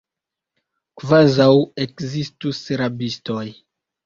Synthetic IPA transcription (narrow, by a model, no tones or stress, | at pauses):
kvazawekzistusɾabisto̞j